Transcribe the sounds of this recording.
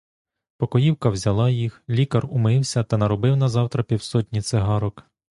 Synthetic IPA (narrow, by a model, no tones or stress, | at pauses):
pɔkɔjiwkɐwzʲɐlˠɑjixlʲikɐrʊmɪwsʲɐt̪ɐnɐɾɔbɪwnɐzɑwt̪ɾɐpʲiwsɔtʲnʲit̪sɪɦɑɾɔk